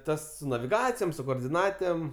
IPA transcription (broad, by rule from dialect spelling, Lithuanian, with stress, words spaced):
ˈtɐs sʊ nɐʋʲɪˈɡɑːt͡sʲɪjoːm sʊ koːoːrʲdʲɪˈnɑːtʲeːm